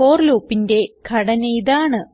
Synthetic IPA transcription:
o̞ːrluːpːinde̞ɡʰʱɐɽɐnɐjiðaːɳɨ

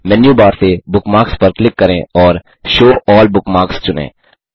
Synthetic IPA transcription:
mɛnjuːbaːɾsebʊkmaːkspɐɾklɪkːɐɾḛ̃ɔːɾ | ʃoːʔɔːlbʊkmaːkst͡ʃʊnḛ̃ː

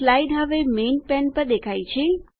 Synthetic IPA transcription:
laiɖɦəʋemenpɛnpəɾd̪ekʰajt͡ʃʰe

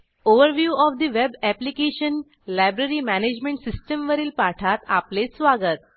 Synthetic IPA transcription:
oʋəɾʋjuːɔʋd̪iʋebæplikeɕən | lajbɾeɾiːmæned͡ʑmẽɳʈsisʈəmʋəɾiːlpaʈʰat̪a̰plet͡ssʋaɡət̪̚

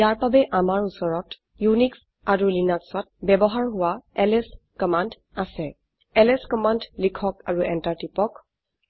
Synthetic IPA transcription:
jaɹpabɛʔamaɹusɔɹɔt | juniks | aɹulinaksɔt̚bɛbɔɦaɹɦʊwaɛlɛs | kɔmand | asɛ | ɛlɛskɔmandlikʰɔkaɹuɛntaɹtipɔk

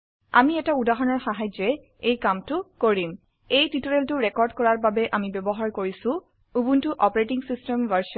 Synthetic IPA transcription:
a̰miɛtaudaɦɔnɔɹxaɦajd͡ʒɛ | ejkamtʊkoɹim | ejtitoɹeltʊɹɛkɔɹdkɔɹaɹbabɛʔamibebɔɦaɹkoɹisʊ̃ | ubuntʊʔɔpɔɹetiŋsistɛmvaɹs

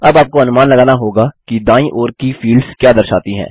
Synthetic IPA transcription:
ɐbaːp̚koɐnʊmaːnlɐɡaːnaɦoːɡakid̪ãːĩʔoːɾkifiːlɖzkjaːd̪ɐɾʃa̰ːt̪iɦɛ̰̃ː

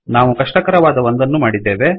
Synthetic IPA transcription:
naːʋukɐʂʈɐkɐɾɐʋaːd̪ɐʋond̪ɐnːumaːɽid̪ːeːʋe̞

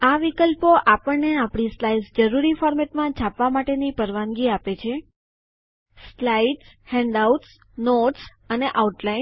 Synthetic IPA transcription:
aʋikəlpoʔapəɳneapɽ̃islajsd͡ʒəɾuɾifɔɾmeʈmãt͡ʃʰapʋamaʈenipəɾʋãnɡiapet͡ʃʰe | slaiʈshɛ̃ɳɖauʈs | noʈs | əneʔauʈlain

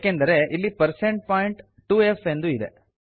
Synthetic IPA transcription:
kend̪ɐɾe̞ʔilːipɐɾseɳʈ̚paːjiɳʈ | ʈuːefe̞nd̪uid̪ḛ

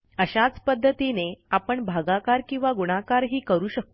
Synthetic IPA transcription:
əɕat͡spəd̪ʱːət̪ineapəɳbʱaɡakaɾkĩw̃ʋaɡuɽ̃akaɾɦiːkəɾuːɕək̚t̪

